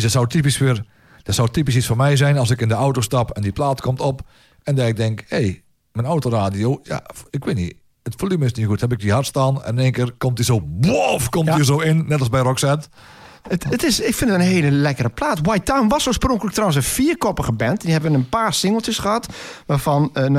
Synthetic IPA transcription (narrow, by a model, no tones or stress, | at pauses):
sdɔtsawtip̬isɪr | d̥ɔtsɔwtipis̬isfonmɛjzɛjnɑlˠsɪkɪndəawtostɑpɛndiplaːtkʰɔmtɔp | ɛndɛɪk̚dɛŋkhej | mɛnawtoraːdijoːja̰ɪkʋɪnḭ | ətflymɪsnixuthɛbɪk̚dihartstaːnɛ̰nɪneːnkɪːrkomtiszoːbofkɔmtiəzoːɪnːɛtlˠsbɛjrɔksɛt | ətətɪsɪkfɪndəənɦeːləlɛkəɾəplaːtwajtawmʋɔsoːəsproŋkələk̚trawənsənfiːərkɔpəɣəbɛntdihɛbəʋənənpaːrsɪŋəlˠtəsχəhɑtʋaːfɔn